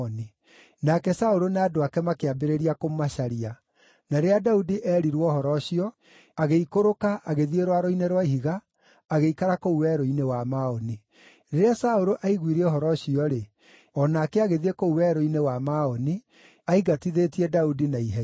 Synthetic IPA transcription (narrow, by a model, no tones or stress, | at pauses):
ni | nakɛsaoɾonadoakɛmakeabeɾeɾiakommaʃaɾia | naeɾeadaudiʔɛɾiɾwɔhɔɾɔɕiɔ | aɣeikoɾokaʔaɣeðieɾwaɾoineɾwaiɦiɣaː | ɣeikaɾakouwɛɾoinewamaɔni | ɾeɾeasaoɾoʔaiɣwiɾɛɔɦɔɾɔɕiɔɾe | ɔnaːkɛaɣeðiekouwɛɾoinewamaɔni | aiɡatiðetiɛdaudinaiɦɛ